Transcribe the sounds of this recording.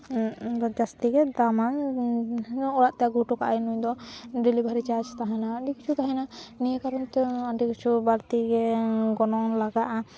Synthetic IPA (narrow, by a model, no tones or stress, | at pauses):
d͡ʒast̪iɡɛd̪aman | ɔɾaʔt̪ɛjaɡuʈukaʔajnujd̪ɔɖilibʱaɾit͡ʃaɾd͡ʒt̪aɦɛnaːɖikit͡ʃʰut̪aɦɛnanijekaɾɔnt̪ɛaɳɖikit͡ʃʰubaɾt̪iɡɛɡɔnɔŋlaɡaʔa